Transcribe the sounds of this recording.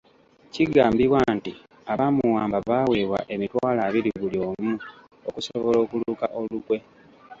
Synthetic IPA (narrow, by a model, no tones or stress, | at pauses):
ciɡaːmbiβwanti | aβamuwaːmbaβawe̞ːβwa̰ʔe̞mitwaːlaːβiɾiβuljo̞ːmu | okusoβo̞lo̞ːkulukaʔo̞lukwe̞